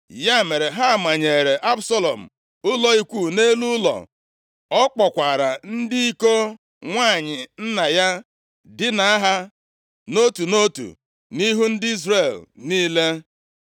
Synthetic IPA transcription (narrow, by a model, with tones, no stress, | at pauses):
ja˦˨me˨ɾe˨ɦa˦˨ma˨ɲe˨ɾe˨ʔa˦bsɔ˦lɔ̰˨m̩̰˨ | ʊ˦lɔ˦i˦kʷu˦˨ne˦lu˦lɔ̰˨ | ɔ˦k͡pɔ˨kʷa˨ɾa˨n̩˦dɪ˦i˦ko˦ | ŋʷa˦˨ɲɪ˨n̩˦na˨ja˦ | dɪ˦na˨a˦ɦa˦ | no˦tu˨no˦tṵ˨ | ni˦ɦu˦n̩˦dɪ˦i˦zre˦˨lniː˦le˦